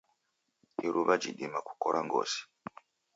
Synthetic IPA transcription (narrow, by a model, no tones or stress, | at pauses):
iɾʔuβad͡ʒiɗimaku̥koɾʔaŋɡo̰ːsi̥